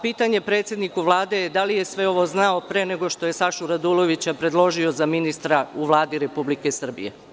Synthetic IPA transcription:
piːt̪aɲe̞pɾe̞ːt̪sʲje̞d̪nikuʋlˠaːd̪e̞jd̪alijesʋe̞o̞ʋo̞znao̞pɾe̞ːne̞ɡo̞ʃt̪o̞je̞saʃuɾad̪ulˠo̞ʋit͡ɕapɾe̞d̪lˠo̞ʒio̞zaminist̪ɾauʋlˠaːd̪iɾe̞publike̞sr̩bḭjḛ

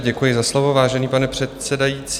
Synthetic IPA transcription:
ɟɛkujɪzaslo̞vo̞vaːʒɛniːpanɛpr̝̥ɛt̪sɛdajit͡sː

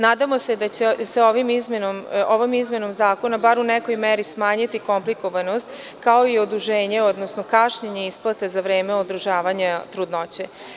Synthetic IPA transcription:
naːd̪amo̞se̞d̪at͡ɕeseo̞ʋimizmenomoʋomizme̞no̞mzaːko̞nabaɾunɛkojmeɾismaːɲit̪iko̞mplikoʋano̞st̪ | kao̞iod̪uʒeːɲeo̞d̪nosnokaʃɲeɲeisplˠat̪ezaʋɾeːmeod̪ɾuʒaːʋaɲat̪ɾud̪not͡ɕe

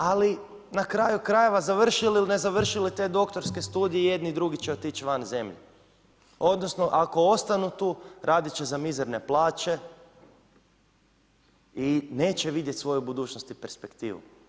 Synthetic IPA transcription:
ali | nakɾajukɾaje̞ʋazaʋr̩ʃililne̞zaʋr̩ʃilit̪e̞d̪o̞kt̪oɾske̞st̪uːd̪ijeije̞d̪nid̪ɾuɡit͡ɕeot̪it͡ʃʋanze̞mʎḛ | o̞d̪no̞sno̞ʔako̞o̞st̪anut̪uːɾaːd̪it͡ʃe̞zamizeɾne̞plˠaːt͡ʃe̞ | ine̞ːt͡ɕe̞ʋid̪je̞t̪sʋo̞jubud̪uːt͡ʃnost̪ipe̞ɾspe̞kt̪ḭːʋṵ

